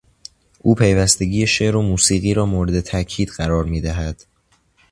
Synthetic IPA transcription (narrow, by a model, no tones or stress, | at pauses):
ʔuːpʰe̞jvæst̪e̞ɟiːjeʃeʔɾomuːsiːɣiːɾɒːmoːɾed̪e̞t̪ʰæcʰiːd̪ɢæɾɒːɾmiːd̪æɦæd̪̥